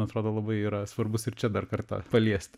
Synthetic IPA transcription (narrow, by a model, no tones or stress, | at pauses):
ɐt̪ɾoːd̪oːlˠɐbɐɪiːɾɐsʋɐrbʊsɪrt͡ʃʲɛd̪ɐrkɐrt̪ɑ̰pɐlʲiɛsʲt̪ʲ